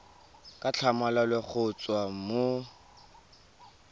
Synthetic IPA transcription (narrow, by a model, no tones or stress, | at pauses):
kʼat͡ɬʰamalalweχʰʊt͡sʼwamo